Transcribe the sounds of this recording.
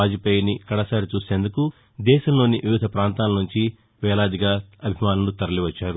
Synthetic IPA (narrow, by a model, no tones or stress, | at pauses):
aːd͡ʒipeːjɐnikɐɽɐsaːɾit͡ʃuːse̞ːnd̪uku | d̪ɛːʃɐmlo̞ːniʋiʋid̪ʱɐpɾaːnt̪aːlɐnuɲt͡ʃi | ʋɛːlaːd̪iɡaːɐbʱimaːnɐlut̪ɐɾɐliʋɐt͡ʃːaːɾu